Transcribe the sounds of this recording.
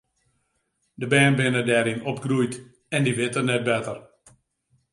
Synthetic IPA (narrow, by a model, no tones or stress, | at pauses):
dəbɛːnbɪnədɛːɾɪnɔpɡrujt | ɛndiʋɪtərnɛt̚bɛtər